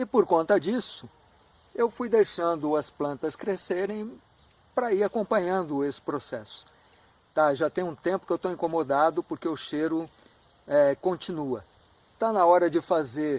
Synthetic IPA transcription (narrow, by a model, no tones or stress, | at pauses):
ɪpoɾkõnt̪ɐd͡ʒisʊ | ewfujd̪ejʃɐ̃nd̪ʊɐsplɐ̃nt̪ɐskɾeseɾẽj̃ | pɾɐiɾakõmpɐ̃ɲɐ̃nd̪ʊesɪ̥pɾosɛsʊ̥ | t̪aʒat̪ẽj̃ũt̪ẽpʊ̥kewt̪owĩkomod̪ad̪ʊpoɾkeʊʃejɾʊ | ɛkõnt͡ʃĩnuɐ | t̪anɐɔɾɐd͡ʒɪfazeɾ